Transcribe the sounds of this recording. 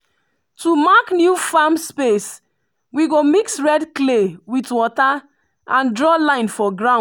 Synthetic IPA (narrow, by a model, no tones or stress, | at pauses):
tumaknjufamspes | wiɡomiksɹɛdklewitwɔta | ãndɹɔlãɪ̃nfɔɡɹã